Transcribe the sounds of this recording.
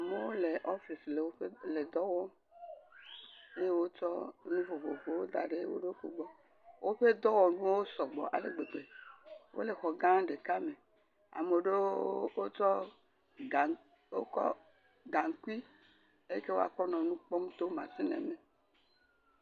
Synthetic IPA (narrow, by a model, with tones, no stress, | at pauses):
a˨me˨wo˦le˨ʔɔ˦fi˨sle˨wo˦ɸe˦le˨d̪ɔ˦wɔ˦ | e˦je˦wo˦t͡ʃɔ˦nũ˦vo˨vo˨vo˨wo˦d̪a̰˨ɖe˦je˦wo̰˦ɖe˦wo˦ko˨ɡ͡bɔ˦ | wo˦ɸe˦d̪ɔ˦wɔ˨nũ˦wo˦sɔ˨ɡ͡bɔ̰˨ʔa̰˨lḛ˨ɡ͡be˨ɡ͡be˨wʔo̰˦le˨xɔ˨ɡã˦ɖe˨ka˦me˨ | a̰˨me˨ɖe˦wo˦t͡ʃɔ˦˨ | wo̰˦kɔ̰˦ | ɡa˨ŋ˨ku˦i˦ | e˦ke˦wo̰˦a̰˨kɔ˦nɔ̃˨nũ˦k͡pɔ˦m˦t̪o˦mã˨si˦nɛ̰˨me˨